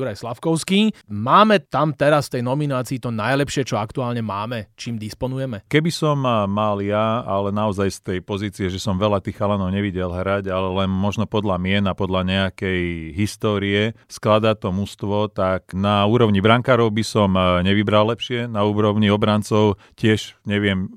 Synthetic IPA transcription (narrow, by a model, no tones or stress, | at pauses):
juɾajslafkɔʊskimaːmɛt̪amt̪ɛɾasft̪ɛjnɔminaːt͡siːt̪ɔnajlɛpʃɪɛt͡ʃɔakt̪uaːlɲɛmaːmɛt͡ʃiːmd̪ispɔnujɛmɛkɛbisɔmmaljaalɛnaɔzajst̪ɛjpɔziːt͡siɛʒɛsɔmʋɛlat̪iːxalanɔʊɲɛʋiɟɛlɦɾaɟalɛlɛnmɔʒnɔpɔd̪lamɪɛnapɔd̪laɲɛakɛjɦist̪ɔːɾiɛsklad̪at̪ɔmust̪ʋɔt̪aknauːɾɔʊɲibɾaŋkaːɾɔʊbisɔmɲɛʋibɾalːɛpʃɪɛnauːɾɔʊɲiɔbɾant͡sɔʊ | cɪɛʃɲɛʋɪɛm